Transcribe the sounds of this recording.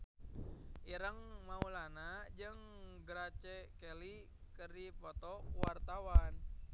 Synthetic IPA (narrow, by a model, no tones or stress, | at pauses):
ʔiɾəŋmaulanad͡ʒɨŋɡɾat͡ʃɛkɛli | kəripɔt̪ɔwart̪awan